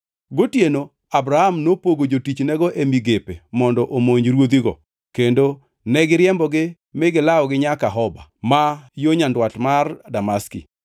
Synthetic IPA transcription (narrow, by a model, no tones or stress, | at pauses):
ɡotjeno | abɾahamnopoɡod͡ʒotit͡ʃnɛɡɔʔemiɡepemɔndɔʔomoɲɾwod̪iɡɔ̰ | kendo | nɛɡɪɾjɛmbɔɡɪ | mɪɡɪlaɔɡɪɲakaɦɔba̰majoɲandwatmardamaskḭ